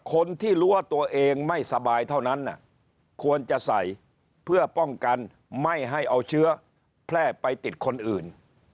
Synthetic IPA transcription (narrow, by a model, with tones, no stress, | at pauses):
kʰo˧nt̪ʰiː˥˩ɾuː˦˥wa˥˩t̪u˧ɐʔeː˧ŋma˥˩jsa˧baː˧jt̪ʰa˥˩wna˦˥nːa̰˨˩ | kʰu˧ənt͡ɕa˨˩ʔsa˨˩j | pʰɯ˥˩ɐpɔ˥˩ŋka˧n | ma˥˩jɦa˥˩jʔa˧wt͡ɕʰɯ˦˥ɐ | pʰlɛː˥˩pa˧jt̪i˨˩t̪̚kʰo˧nʔɯː˨˩n